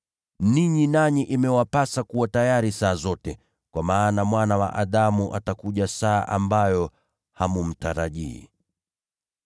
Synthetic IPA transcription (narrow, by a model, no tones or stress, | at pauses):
niɲinaɲiʔimɛwapasakuwatajaɾisaːzɔtɛ | kwamaːnamwanawa̰ʔaɗamuʔa̰takuʄasaːʔambajɔ | hamum̩taɾaʄḭː